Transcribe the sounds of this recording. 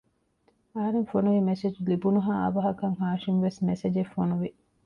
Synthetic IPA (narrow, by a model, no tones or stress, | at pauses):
ɐɦɐɾeŋfonuʋimesed͡ʒulibunuɦaːɐ̰ʋɐɦɐkɐŋhaːʃimʋesmesed͡ʒefːonuʋi